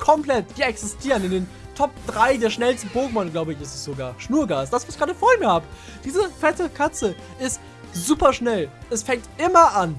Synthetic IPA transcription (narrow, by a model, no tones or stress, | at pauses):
kʰɔmpl̥ɛtv̥iːɐɛksɪstʰiːʁənɪndeːn | tʰɔp̚d̥ʁaɪdeːɐʃnɛlstn̩boːɡŋ̩mɔnəɡlaʊbəɪçɪstɛsz̥oɡaːɐʃnuːɐɡaːsd̥asv̥oːɪçɡ̥ʁaːdəfoːɐɪnmːɐhaːbə | d̥iːzəfɛtəkʰat͡sə | ʔɪst | zuːpɐʃnɛlʔɛsfɛŋk̚tʔɪmɐʔan